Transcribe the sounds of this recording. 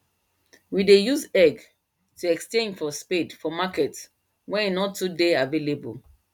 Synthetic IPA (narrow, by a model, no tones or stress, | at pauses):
widejuzɛɡ | tʰuɛkst͡ʃẽndfɔspedfɔmakɛt | wɛ̃ninɔtʰːudeavelebo̰l